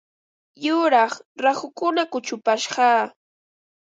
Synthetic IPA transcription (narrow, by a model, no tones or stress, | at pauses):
jʊɾɑχɾaχʊkʊnakʊt͡ʃʊpaʃɢɑː